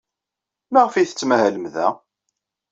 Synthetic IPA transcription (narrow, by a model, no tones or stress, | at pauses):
maʁfiθə̥t͡sːmæhæləmðæ̰